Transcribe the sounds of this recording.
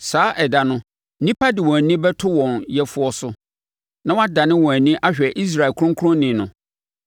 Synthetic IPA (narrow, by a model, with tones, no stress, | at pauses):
saː˨˦ʔɛ˨da˨nʊ̃˦ | nĩ˦pʰa˦dɪ˨wɔ̃˨æ˨nĩ˦bɛ˦tʰʊ˦wɔ̃˨njɛ˦fʊ˦ɔ˦sʊ˦ | nã˦wa˦da˨nɪ̃˦wɔ̃˨æ˨nĩ˦ʔa˦ɕᶣɛ˨ʔi˦s̬ɾa˨ɛ˨kʰʊ˦ɾʊ̃˦ŋkʰɾʊ̃˦nɪ̃˨nʊ̃˨